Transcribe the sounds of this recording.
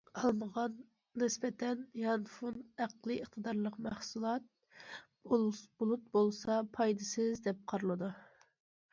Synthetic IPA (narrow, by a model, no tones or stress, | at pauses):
ɑlˠməʁɑnː | ɪsbɛt̪ʰɛnjɑnfunæqlˠɨəχt̪ʰɨd̪ɑɾlˠəqmæχsulˠɑt̪̚ | b̥ulˠut̪̚bolˠsɑpʰɑjd̪ɨsɪzd̪ɛp̚qʰɑɾɨlˠɨd̪u